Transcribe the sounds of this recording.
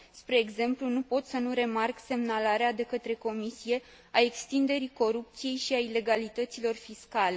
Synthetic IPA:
spɾe̞ːɡze̞mplunupo̞t̪sənuɾe̞markse̞mnalaɾead̪e̞kət̪ɾe̞ko̞misije̞ | ae̞kst̪ind̪e̞ɾiko̞ɾup̚t̪sije̞jʃiaile̞ɡalit̪ət̪silo̞rfiskale̞

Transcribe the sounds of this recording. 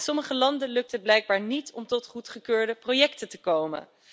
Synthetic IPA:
sɔməχəlɑndənlɵk̚tɦəd̚blɛjɡ̚baːɹnitɔmtɔtχutχəkøːɹdəprowjɛktətəkowmə̰n

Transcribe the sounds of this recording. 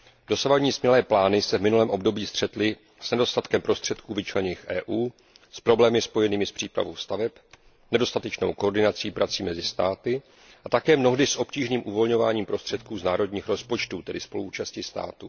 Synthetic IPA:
d̥o̞savaɟɲiːsmɲɛlɛːplaːnɪsɛvmɪnulɛːmʔo̞bdo̞biːst̪r̝̥ɛt̪lɪ | z̥nɛdo̞st̪at̪kɛmpɾo̞st̪r̝̥ɛt̪kuːvɪt͡ʃlɛɲɪxʔɛ̰ːʔuː | spɾo̞blɛːmɪspo̞jɛniːmɪspr̝̥iːpɾa̰vowst̪avɛp | nɛdo̞st̪at̪ɛt͡ʃno̰wkoɾdɪnat͡siːpɾat͡siːmɛzɪst̪aːt̪ɪ | ʔat̪akɛːmno̞ɦdɪsʔo̞pciːʒniːmʔuvo̞lɲo̞vaːɲiːmpɾo̞st̪r̥ɛt̪kuːznaːɾo̞dɲiːxɾo̞spo̞t͡ʃt̪uːt̪ɛdɪspo̞lṵuːt͡ʃascɪst̪a̰ːt̪u

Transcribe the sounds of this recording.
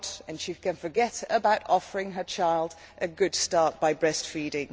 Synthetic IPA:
tɨ̃nʃikɨ̃nfə˞ɡɛtəbaʊtɔfəɹɪ̃ŋə˞t͡ʃʰaɪlˠd | ʔɨɡʊd̥stɑɹt̚b̥aɪbɹɛstfiːɾɪ̃ŋ

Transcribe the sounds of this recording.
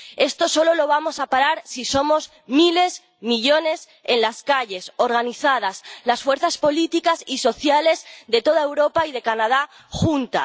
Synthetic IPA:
e̞st̪o̞so̞lo̞lo̞β̞amo̞sapaɾaɾsiso̞mo̞z | mile̞s | miʎo̞ne̞s | e̞nlaskaʎe̞so̞ɾɣ̞aniθað̞aslasfwe̞ɾθaspo̞lit̪ikasiso̞θjale̞zðe̞t̪o̞ð̞ae̞wɾo̞paið̞e̞kanað̞a | xunt̪a̰

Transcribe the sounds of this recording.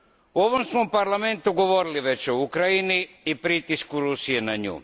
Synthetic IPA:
uo̞ʋomsmopaɾlˠame̞nt̪uɡo̞ʋo̞ɾiliʋe̞t͡ɕo̞ukɾajini | ipɾit̪iskuɾusijenaɲṵː

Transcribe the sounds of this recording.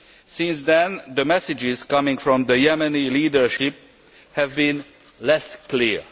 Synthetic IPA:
sɪ̃nsðɨ̃nðəmɛsɨd͡ʒɪz̥kʌmɪ̃ŋfɹɔ̃mðəjɛmɨniliːdə˞ʃɪp̚ | hævbĩn | lɛskliɹ

